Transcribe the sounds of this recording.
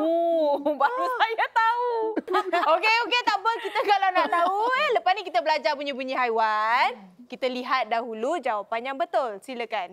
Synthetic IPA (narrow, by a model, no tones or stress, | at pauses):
ubaɾusajat̪au | okeoket̪ambəkit̪əkalawnaʔt̪aueləpasnĩkit̪əbəlad͡ʒarpuɲə̃buɲiɦajwankit̪əliɦat̪̚daɦulud͡ʒawapanjaŋbət̪ʊlsiləkan